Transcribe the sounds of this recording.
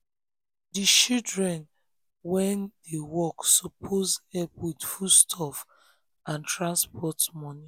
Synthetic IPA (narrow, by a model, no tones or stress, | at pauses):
dit͡ʃidɹɛ̃n | wɛ̃ndewɔksopʰozɛpwidfustʰɔf | ãntɹãnspɔtmɔni